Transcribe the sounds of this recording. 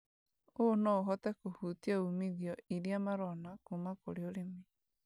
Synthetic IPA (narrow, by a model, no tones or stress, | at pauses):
onɔoɦɔtɛkohuːtiaumiðiɔiɾiamaɾɔnakumakoɾeoɾeme